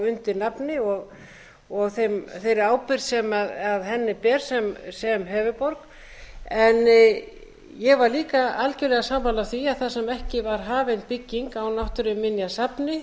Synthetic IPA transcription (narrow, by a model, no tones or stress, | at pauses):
ʏnt̪ɪnapnɪɔɣ | ɔɣθejmθejɾɪaːwpɪɾsɛmaðaðɦɛnːɪpɛːɾ̥sɛmsɛmɦœːvʏpɔɾk | ɛn | jɛɣvaɾliːkaalcɛɾlɛɣasampawlaθiaðθasɛmɛhcɪvaɾ̥ɦaːvejnpɪcːiŋkawnawht̪ʏɾʏmːɪnjasapnɪ